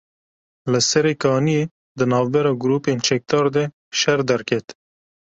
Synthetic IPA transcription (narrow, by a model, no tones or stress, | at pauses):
ləsɛɾekɑːnie | d̪ɨnɑːvbɛɾɑːɡʊɾuːpeːnt͡ʃɛk̚t̪ɑːɾd̪ɛ | ʃɛɾd̪ɐɾkʰɛt̪